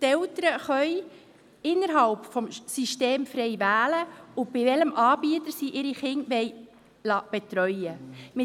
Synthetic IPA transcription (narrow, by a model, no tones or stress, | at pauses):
t̪ɛltəɾəχœj | ɪnːəɾɦɑlpfɔmsiʃteːmfɾɛjʋæːləʊb̥ɪvɛləmʔɑːbiət̪əɾsiʔɪɾiχɪnʋɛj | lɑːb̥et̪ɾœʏəmɪ